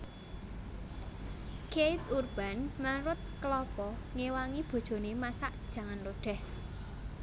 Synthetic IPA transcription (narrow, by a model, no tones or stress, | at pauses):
kejt̪urb̥a̤nmaɾʊt̪̚kəlɔpɔŋewaŋib̥o̤d̥ʒ̥o̤nemasaʔd̥ʒ̥ä̤ŋanroɖ̥ɛ̤h